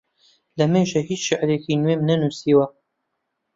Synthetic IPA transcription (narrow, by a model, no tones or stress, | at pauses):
lɐmeʒehiːt͡ʃʃɪʔɾekinweːmnɐnusiwɐ